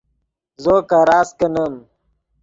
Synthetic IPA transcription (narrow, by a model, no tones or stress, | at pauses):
zoːkaɾaːskɐnəm